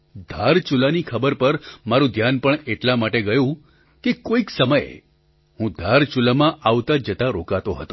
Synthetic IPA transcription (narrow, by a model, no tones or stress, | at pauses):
d̪ʱaɾt͡ʃulanikʰəbəɾpəɾmaɾũd̪ʱjanpəɳeʈlamaʈeɡəjũ | kekoiksəməj | hũd̪ʱaɾt͡ʃulamãʔaʋt̪ad͡ʒət̪aɾokat̪oɦə̰t̪o